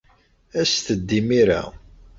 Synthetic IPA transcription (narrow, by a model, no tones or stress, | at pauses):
æst̪əd̪ːimiɾa̰